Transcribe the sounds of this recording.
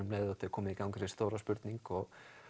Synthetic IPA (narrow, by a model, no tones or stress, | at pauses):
ʏmleːðat̪ɪkʰɔːmɪðikawŋkɾest̪oːwɾaspʏɾt̪niŋkɔɣ